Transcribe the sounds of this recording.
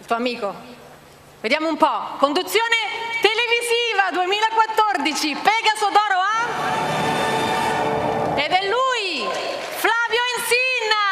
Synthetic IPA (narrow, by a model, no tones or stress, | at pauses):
ilt̪uːoamiːko | ved̪jaːmoumpɔkond̪ut̪sːjoːnet̪eleviziːvad̪uemiːlaekwat̪ːord̪it͡ʃipɛːɡasod̪ɔːɾoa | ed̪ɛlːuj | flaːvjoinsinːa